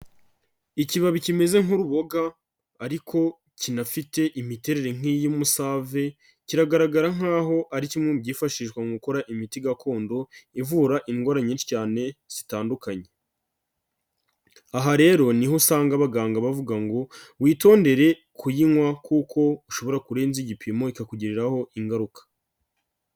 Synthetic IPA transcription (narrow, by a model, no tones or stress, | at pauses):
iciβaβicime̞ze̞ŋuɾuβo̞ɡaː | ɾikʰo̞ | cinafite̞ʔimite̞ɾe̞ɾe̞ŋ̥ijumusaːve̞ | ciɾaɡaɾaɡaɾaŋ̥aːɦo̞ʔaɾicimŋubɟiːfaʃiʃkwaŋɡukoɾaʔimitiɡakʰo̞ːndo̞ivuːɾaʔiŋɡaɾaɲiːnʃi̥caːne̞z̥itaːndukaɲe̞ | aɦaɾe̞ɾo̞nihosaːŋɡaβaɡaːŋɡaβavuɡaŋɡo̞wiːto̞ːnde̞ɾe̞ | kʰujiŋwakukʰo̞uʃo̞βo̞ɾakuɾe̞ːnziɟipʰimo̞ikakuɟiɾiɾaho̞ʔiŋɡaɾukḁ